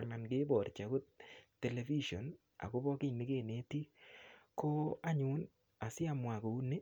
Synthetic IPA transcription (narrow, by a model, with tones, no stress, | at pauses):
na˨nɡe˦bɔ˨ɾt͡ʃa˨ɡo˦tː | e˨le˨vi˦ʃo˨n | a̰˨ko˦bɔ˦kɪ˦ɲnɪ˦ke˦˨ne˦ti˦ko˦a˦ɲu˨˦n | a˨sɪ˦a˨mwa˨ko˨u˦ne˦